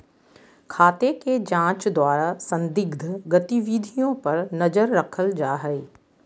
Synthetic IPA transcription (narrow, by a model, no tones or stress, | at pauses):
kʰaːt̪eked͡ʒãːt͡ʃd̪waːɾasɐ̃nd̪ɪɡd̪ʱɡɐt̪iʋiːd̪ʱijõpɐɾnɐzəɾːɐkʰəld͡ʒaːɦɛeː